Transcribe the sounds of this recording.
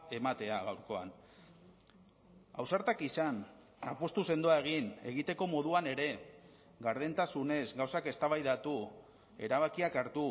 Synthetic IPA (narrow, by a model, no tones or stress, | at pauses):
e̞mat̪e̞aɣawɾko̞a̰n | a̰wsaɾt̪akisan | apo̞st̪use̞nd̪oae̞ɣ̞ine̞̰ɣ̞it̪e̞ko̞mo̞ð̞uane̞ɾe̞ | ɣaɾðent̪asune̞zɣawsake̞st̪aβajðat̪u | e̞̰ɾaβakiakaɾt̪u